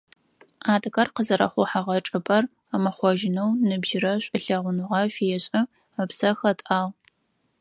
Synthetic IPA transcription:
aːdɐkɐrqəzɐɾɐ̰χʷʊħaʁɐʈ͡ʂʼɨpʼɐr | amɐχʷɔʒɪnɐwnɨbʒɪɾɐɕʷʼɨɬɐʁʷʊnɨʁɐfijɛɕʼɐ | ɐpsɐxɐtʼaːʁ

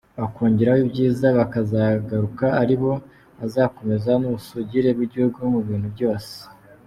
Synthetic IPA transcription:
βakoːɲɟiɾawibɟiːzaβakazaɡaɾukaaɾiβo̞ | azako̞me̞zanuusuɟiɾe̞bɡiɟihuɡumuβiːn̥ubɟo̞ːse̥

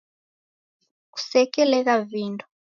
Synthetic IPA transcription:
ku̥sɛkɛlɛɣaviːndɔ̥

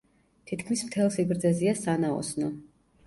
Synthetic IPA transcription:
t̪ʰit̪kʰmismt̪ʰɛlˠsiɡɾd̪zɛziasanaɔ̰snɔ

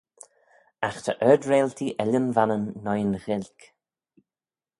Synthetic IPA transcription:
axt̪ʰəʔœːdɹeːlt̪ʰiʔɛlənvanənːɔjənɣɪlʲk

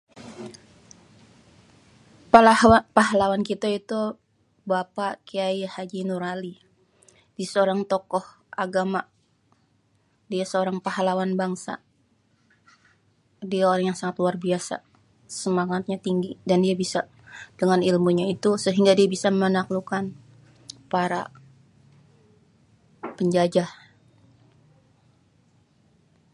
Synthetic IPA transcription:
palapaɦalawankit̪ait̪u | bapakiajhad͡ʒinuɾali | disəoɾaŋt̪ɔkɔh | ʔaɡama | diasəoɾaŋpaɦalawanbaŋsa̰ | diaoɾaŋjaŋsaŋat̪luarbiasa̰ | səmaŋat̪̚ɲat̪iŋɡidandiabisa | dəŋanilmuɲait̪usəɦiŋɡadiabisamənaklukan | paɾa̰ | pəɲd͡ʒad͡ʒah

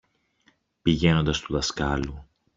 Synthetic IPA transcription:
piʝe̞no̞nd̪ɐst̪uðɐskɐlu

